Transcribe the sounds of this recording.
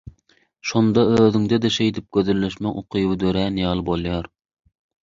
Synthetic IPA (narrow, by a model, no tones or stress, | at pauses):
ʃond̪ɑøːðɪŋd̪ɛd̪ɛʃejd̪ɪp̚ɡ̥ʲøðylːeʃmɛŋoqʰɨjwɪd̪øɾæːnijɑlˠbolˠjɑɾ